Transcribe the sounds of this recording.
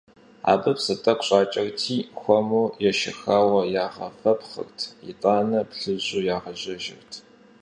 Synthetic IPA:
a̰ːbɨpsɨtʼɐqɕʼaːt͡ʃʼɐrtʰiːxʷɔmujɛʃɪxaːwɐjaːʁɐ̰fɐpχə̰rtʰḭtʼaːnɐpɬɨʑuːjaːʁɐʑɐʒɪ̰rtʰ

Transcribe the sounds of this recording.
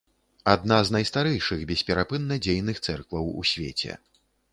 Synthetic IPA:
ad̪̚naznajst̪aɾɛjʂɨɣbʲɛsʲpʲɛɾapɨnːɐd͡zʲejnɨxt̪sɛrkvɐwṵsʲvʲḛt͡sʲɛ̰

